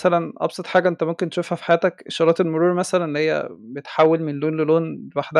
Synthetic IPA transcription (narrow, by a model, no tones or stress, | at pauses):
sælænʔɑ̰bsˤɑt̪ˤħaːɡæʔent̪æmomkent̪e̥ʃofhæfi̥ħajæːt̪ækʃɑɾˤɑːt̪elmoɾuːɾmæsælænelːihejːæ̰bet̪ħawːelmenloːnleloːnlewaħd̪æ